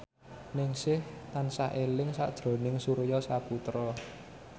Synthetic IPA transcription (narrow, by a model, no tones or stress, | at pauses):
nɪŋsɪht̪ansaʔelɪŋsa̰d̥ʒ̥ɾo̤nɪŋsuɾjɔsaput̪ɾɔ